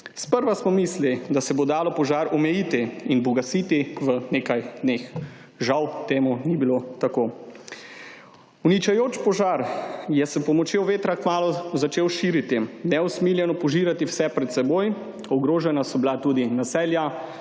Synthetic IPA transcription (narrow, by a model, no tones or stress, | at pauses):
spəɾʋasmɔmiːslid̪asɛbod̪aːlɔpɔʒaɾɔmɛjit̪iinbɔɡasiːt̪iʋəneːkajd̪neːx | ʒawt̪eːmunibilot̪akoː | unit͡ʃajoːt͡ʃpɔʒaːɾjɛsɛpɔmɔt͡ʃjewʋeːt̪ɾakmaːlɔzat͡ʃeːwʃiːɾit̪inɛusmiːljɛnɔpɔʒiɾat̪iwsɛpɾɛt̪sɛboːj | ɔɡɾoːʒɛnasɔbilat̪uːd̪inasɛːlja